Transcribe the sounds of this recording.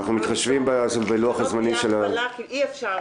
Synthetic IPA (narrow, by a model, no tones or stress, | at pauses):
aχnumit̪χaʃvimbesbeluaχazmaniʃela